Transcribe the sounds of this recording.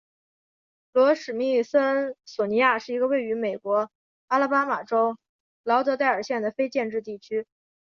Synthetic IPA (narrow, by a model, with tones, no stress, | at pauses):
lwɔ˧˥ʂɻ̩˨˩mi˥˩sə˥nswɔ˨˩ni˧˥ja˥˧ʂɻ̩˥˩i˧˥ɡə˧we˥˩ɪy˧˥me˨˩ɪkwɔ˧˥ | a˥la˥˩pa˥ma˨˩ʈ͡ʂo˥ʊ | lɑ˧˥ʊt̪ɤ˧˥t̪a˥˩ɪə˞˨˩ɕjɛ˥˩nd̪ə˩fe˥ɪt͡ɕjɛ˥˧nʈ͡ʂɻ̩˥˧t̪i˥˩t͡ɕʰy˥